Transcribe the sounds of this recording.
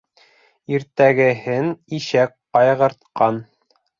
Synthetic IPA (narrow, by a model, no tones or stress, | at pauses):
iɾt̪æɡɘ̆hɘniʃæk̚qɑjʁɤ̆ɾt̪̚qɑn